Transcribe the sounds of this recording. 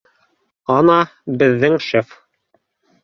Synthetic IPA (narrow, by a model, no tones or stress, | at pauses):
ɑnɑbɘ̆ðːɘŋʃɘf